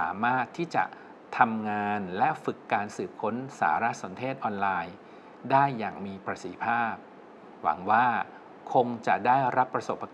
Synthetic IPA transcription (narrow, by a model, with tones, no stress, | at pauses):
a̰ː˩˦maː˥˩t̪ʰːiː˥˩t͡ɕa̰˨˩ʔ | t̪ʰa˧mŋaː˧nlɛ˦˥ʔfɯ˨˩kːaː˧nsɯː˨˩p̚kʰo˦˥nsa̰ː˩˦ɾa˦˥ʔso˩˦nt̪ʰeː˥˩t̪̚ʔɔː˧nlaː˧j | daː˥˩jːaː˨˩ŋmiː˧pɾa˧t̪si˨˩i˦˥pʰaː˥˩p̚ | wa̰˩˦ŋwaː˥˩ | kʰo˧ŋt͡ɕa˨˩daː˥˩jɾa˦˥pːɾa˧so˨˩pːa˧